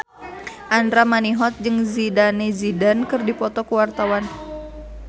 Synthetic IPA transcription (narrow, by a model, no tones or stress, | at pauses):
ʔandɾamaniɦɔt̪̚d͡ʒɨŋzidanezidankɨrdipɔt̪ɔkuwart̪awan